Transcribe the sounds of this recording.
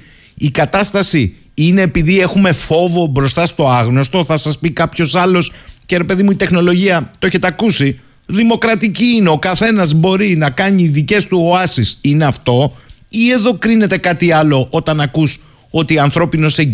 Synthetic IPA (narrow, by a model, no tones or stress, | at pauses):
ikɐt̪ɐst̪ɐsi | ine̞ːpiðie̞xume̞fo̞vo̞bɾo̞st̪ɐst̪o̞ɐɣno̞st̪o̞θɐsɐspikɐpço̞sɐlo̞sce̞ɾe̞pe̞ðimuit̪e̞xno̞lo̞ʝiɐt̪oeçet̪ɐkusi | ðimo̞kɾɐt̪iciineo̞kɐθe̞nɐzbo̞ɾinɐkɐɲiːðice̞st̪uoɐsisineɐft̪o̞ie̞ðo̞kɾine̞t̪e̞kɐt̪iɐlo̞ʔo̞t̪ɐnɐkus | o̞t̪iɐnθɾo̞pino̞se